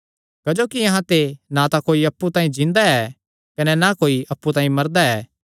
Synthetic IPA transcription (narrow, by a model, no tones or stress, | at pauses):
kɐd͡ʒoːkiɐɦãt̪enãt̪ãkoːiɐpːut̪ãːĩd͡ʒɪ̃nd̪aɛː | kɐnɛnakoːiʔɐpːut̪ãːĩmɐɾd̪aɛː